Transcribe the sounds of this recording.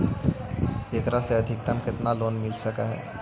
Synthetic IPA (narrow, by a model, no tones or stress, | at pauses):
ekɾaseɐd̪ʱɪk̚t̪əmkɪt̪naloːnmɪlsəkaɦɛ̰ː